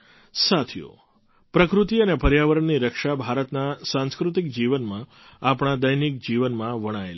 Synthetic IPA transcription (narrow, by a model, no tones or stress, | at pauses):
sat̪ʰjo̰ | pɾəkɾut̪iənepʰəɾjaʋəɾəɳːiɾəkʃabʱaɾət̪nasãnskɾut̪ik̚d͡ʒiʋənmã | apɳ̃ad̪əjnik̚d͡ʒiʋənmãʋəɽ̃ael